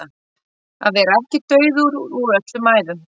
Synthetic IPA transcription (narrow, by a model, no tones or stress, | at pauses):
a | a̰ðvɛːɾaɛhcɪt̪œːɥðuɾuɾuɾœt̪lʏmaːjðʏm